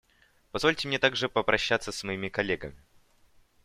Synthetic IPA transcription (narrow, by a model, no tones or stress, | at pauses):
pɐzvolʲtʲɪmnʲet̪aɡʐɨpəpɾʔɐɕːat̪səsmɐimʲɪkɐlʲːeɡə̰mʲɪ